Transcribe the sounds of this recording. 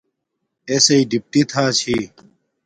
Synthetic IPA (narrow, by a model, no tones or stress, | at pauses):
esɐiɖip̚ʈit̪ʰaːt͡ɕʰiː